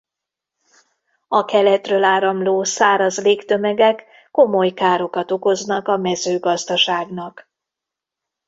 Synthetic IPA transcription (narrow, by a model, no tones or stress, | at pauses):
ɒkɛlɛt̪røːlaːɾɒmloːsaːɾɒzleːkt̪ø̞mɛɡɛkː | o̞mo̞jkaːɾo̞kɒt̪o̞ko̞znɒkɒmɛzøːɡɒzd̪ɒʃaːɡnɒk